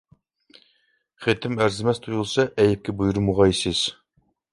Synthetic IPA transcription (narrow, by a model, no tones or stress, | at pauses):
χet̪ʰɪmæɾzɪmɛst̪ʰujulˠsɑʔɛjɪp̚kʲɛbujuɾmuʁɑisɪz̥